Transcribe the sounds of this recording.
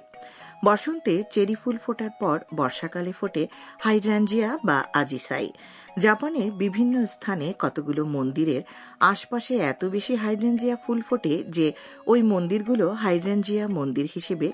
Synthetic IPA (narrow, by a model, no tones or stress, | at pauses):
bɔʃont̪et͡ɕeɾifulfoʈaɾpɔɾbɔɾʃakalefoʈehajɖɾand͡ʑiaba̰ad͡ʑisa̰j̰ | d͡ʑapaneɾbibʱinːost̪ʰanekɔt̪oɡulomond̪iɾeɾ | aʃpaʃeɛt̪obeʃiɦajɖɾand͡ʑiafulfoʈed͡ʑe | ojmond̪iɾɡuloɦajɖɾand͡ʑiamond̪iɾhiʃebe